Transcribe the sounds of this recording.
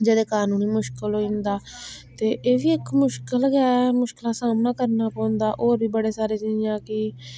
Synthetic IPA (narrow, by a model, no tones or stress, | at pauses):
d͡ʒəd̪eːkaːnũːniːmʊʃkəlɦoːĩnd̪aːt̪eːʔeːʋiːɪkmʊʃkəlɡːɛmʊʃkɪlaːsaːmnaːkəɾnaːpɔ̃ːʊnd̪aːʔoːɾbʱiːbəɽeːsaːɾeːt͡ʃijãːkɪ